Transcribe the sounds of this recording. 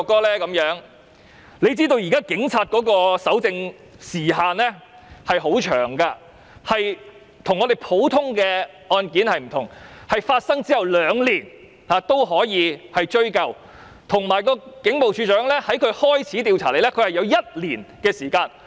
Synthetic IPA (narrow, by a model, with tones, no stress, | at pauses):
kːɔː˥lɛː˥kɐ˨˥mjœː˨˥ŋ | le˨˧jt͡siː˥t̪o˧wjiː˨˩kaː˥kɪ˨˥ŋt͡sʰaː˧t̚kɔː˨˥kɔː˧sɐ˨˥wt͡sɪ˧ŋ | siː˨˩ɦaː˨nlɛː˥ | hɐ˨jɦo˨˥wt͡ʃʰœ̰ː˨˩ŋkaː˧ | hɐ˨j | t̪ʰʊ˨˩ŋːɔː˨˧d̪e˨˩jpʰo˨˥wt̪ʰʊ˥ŋkɛː˧ | ʔɔː˧nkiː˨˥nhɐ˨jm̩˨˩t̪ʰʊ˨˩ŋhɐ˨jfaː˧t̚sɐ˥ŋt͡siː˥hɐ˨˩wlœː˨˧ŋliː˨˩n | haː˨˧t̪o˥wɦɔː˨˥jiː˨˧hɐ˨jt͡ʃɵ˥ɥkɐ˨˧w | t̪ʰʊ˨˩ŋmaː˨˩jkɔː˧kɪ˨˥ŋpo˨wt͡ʃʰyː˨˧t͡ʃœː˨˥ŋlɛː˥hɐ˨˥jkʰɵ˨˧ɥhɔː˥jt͡sʰiː˨˥t̪iː˧wt͡sʰaː˨˩le˨jlɛː˥kʰɵ˧hɐ˨jɐ˨˧wjɐ˥t̚liː˨˩nkɛː˧siː˨˩kaː˧n